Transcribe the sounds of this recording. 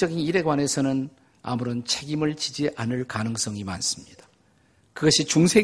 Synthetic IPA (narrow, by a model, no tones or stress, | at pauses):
ʌɡiniɾe̞ɡwane̞sʰʌnɯn | a̰muɾʌnt͡ɕʰe̞ɡimɯɭt͡ɕid͡ʑiʔanɯɭkanɯŋs͈ʌŋima̰ns͈ɯ̥mɲid̥ḁ | kɯɡʌɕʰit͡ɕuŋsʰe̞